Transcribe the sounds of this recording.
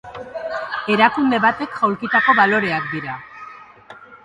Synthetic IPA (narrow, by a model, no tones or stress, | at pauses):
e̞ɾakumde̞βat̪e̞kʝ̥awlkit̪ako̞βalo̞ɾe̞akd̪iɾa